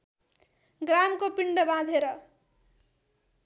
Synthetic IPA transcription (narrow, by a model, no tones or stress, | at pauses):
ɡɾamkopiɳɖʌbãd̪ʱeɾʌ